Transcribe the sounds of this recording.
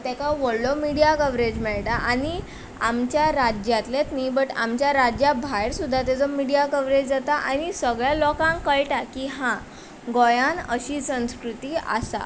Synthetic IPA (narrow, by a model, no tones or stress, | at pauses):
t̪ɛkaʋoɽlɔmiɽijakəʋɾed͡ʑmɛɭʈaʔañi | amt͡ɕjaɾad͡ʑjat̪let̪najbəʈa̰mt͡ɕjaɾad͡ʑjabʱajɾsud̪ʱːat̪̬ɛd͡zɔmiɽijakəʋɾed͡ʑd͡zat̪aʔañisəɡɭjalɔkãŋkəɭʈakiɦã | ɡɔjanəɕiːsə̃w̃skɾut̪iːa̰sa̰